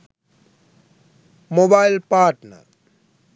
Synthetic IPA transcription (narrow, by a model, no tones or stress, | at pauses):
mobaɪlpaːɾʈnə̰ɾ